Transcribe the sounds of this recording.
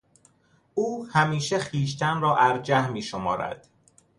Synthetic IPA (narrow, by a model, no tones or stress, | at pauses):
uːhæmiːʃeχiːʃ̬t̪ʰænrɒːʔæɾd͡ʒæhmiːʃomɒ̰ːɾæ̰d̪̥